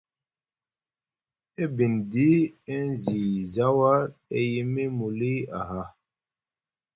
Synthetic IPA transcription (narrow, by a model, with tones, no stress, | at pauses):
e˦bi˨ndi˦e˦n˦˨zi˨za˦wa˦ɾe˨ji˦mi˦mu˨li˦a̰˨ɦa˦